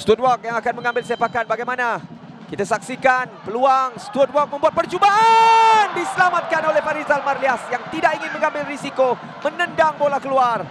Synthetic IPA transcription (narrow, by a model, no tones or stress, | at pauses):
st̪ut̚wɔk̚jaŋakanmə̃ŋãmbɪlsepakanbaɡajmana | kit̪asaksikanpəluaŋst̪wɔt̚wɔk̚mə̃mbuat̪̚pərt͡ʃuba | ndisəlamat̪̚kanolehfaɾizalmarliasjaŋt̪idakiŋɪnmə̃ŋãmbɪlrisiko | mənə̃ndaŋmolakəluar